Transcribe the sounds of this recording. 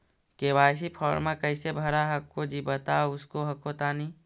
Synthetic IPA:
keːʋaːjs̬ipʰɔːɾmãkɐɪsebʱɐɾaɦɐkːod͡ʒibət̪aʊskoɦɐkot̪aːni

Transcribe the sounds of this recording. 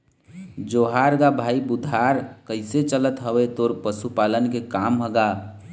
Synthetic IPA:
d͡ʒoɦaɾɡabʱaibud̪ʱaɾkəɪset͡ʃələt̪ɦəwet̪oːɾpəsupalənkekamɦəɡa

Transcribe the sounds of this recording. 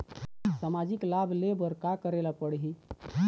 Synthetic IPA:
səmad͡ʒiklabʱlebəɾkakəɾelapəɽɦi

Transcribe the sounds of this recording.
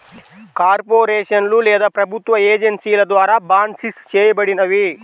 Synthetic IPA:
kaːɾpoːɾeːʂɐnlulɛːd̪ɐpɾɐbʱut̪ʋɐeːd͡ʒɐnsijɐlɐd̪ʋaːɾaːbaːnsist͡ʃeːjɐbɐɽinɐʋi

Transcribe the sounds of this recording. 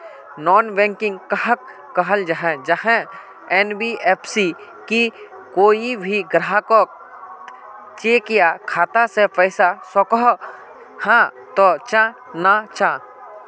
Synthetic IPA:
nɔːnbɛ̃ŋkɪ̃ŋɡkəɦəkː | əɦəld͡ʒaɦɛ̃d͡ʒəɦɛ̃ | ɛːnbieːpʰsi | ki | koːibʱiɡɾəɦako | t͡ʃeːkɪjakʰaːt̪asepəɪsasɔkɔɦ | hã | t̪ot͡ʃã | nat͡ʃã

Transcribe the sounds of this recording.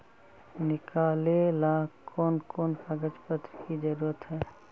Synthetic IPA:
nɪkaːlelakʰoːnkoːnpaɡət͡ʃpət̪ɾkid͡ʒəɾuːɾət̪ɦɛː

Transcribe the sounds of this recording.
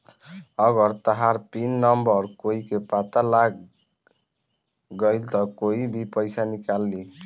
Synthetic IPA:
ʌɡʌɾt̪ʌɦaɾpinːʌmbʌɾkoikepat̪alaɡ | ɡʌjlt̪ʌkoibʱipʌjsanikalːi

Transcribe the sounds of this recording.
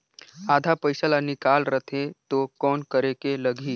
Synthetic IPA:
ad̪ʱapəjsəlanikalɾət̪ʰet̪okɔːnkəɾekeləɡʱiː

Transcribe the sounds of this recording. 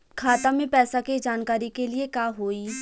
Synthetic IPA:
kʰaːt̪amẽpɛːsakid͡ʒaːnkaːɾikeliekaːɦoːiː

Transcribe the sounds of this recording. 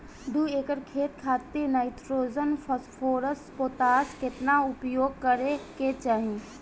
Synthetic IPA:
d̪uːeːkəɾkʰeːt̪̚kʰaːt̪inaɪt̪ɾoːd͡ʒənpʰoːɾəspoːt̪aːskɪt̪naʊpjoːɡ̚kəɾeket͡ʃaːɦĩː

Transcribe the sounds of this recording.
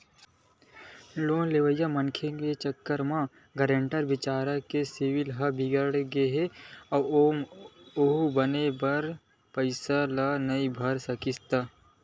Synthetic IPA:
loːnleʋəjːamənkʰeket͡ʃəkːəɾmã | ɡəɾẽɳʈəɾʋɪt͡ʃaːɾakesiwɪlɦabʱɪɡəɽɡeɦeɔːɾ | oɦubɐnebɐɾ | pəɪsalanɐibʱɐɾsɐkɪst̪aː

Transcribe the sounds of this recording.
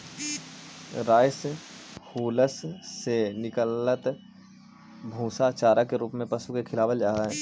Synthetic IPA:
ɾaːɪshuːləsːenɪkəlːət̪ | bʱũːsat͡ʃaːɾakeɾuːpmẽpɐsukekʰɪlaːʋəld͡ʒaːɾaɦɛ̃ː

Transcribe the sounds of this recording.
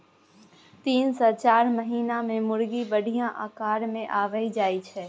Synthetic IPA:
t̪iːnsɔːt͡ʃaːɾməɦiːnamẽmʊɾɡibəɖʱijãʔaːkaːɾmẽʔaːʋəid͡ʒaːit͡ʃʰɛː

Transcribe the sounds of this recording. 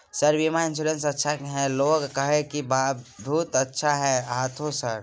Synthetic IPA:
səɾʋimaɪ̃nsuːɾẽnsətːʃʰakɦɛ̃loːɡːəɦekibabʱuːt̪ətːʃʰaɦɛat̪ʰosəɾ

